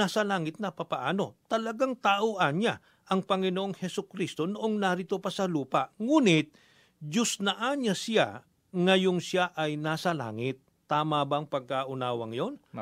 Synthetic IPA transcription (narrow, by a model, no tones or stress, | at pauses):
aːsɐlaːŋɪt̪̚nɐpapɐʔaːno̞t̪ɐlɐɡaŋt̪aʔoʔanɲa | ʔɐŋpɐŋɪnoʔo̞ŋhɛsʊkɾist̪o̞noʔoŋnaɾɪt̪opɐsɐluːpaʔŋuːnɪt̪̚ | d͡ʒʊsnɐʔanɲasɪja̰ | ŋɐjo̞ŋsjaʔɐjnaːsɐla̰ːŋɪt̪̚ːaːmabɐɐŋpɐɡ̚kaʔʊnaːwɐŋjo̞n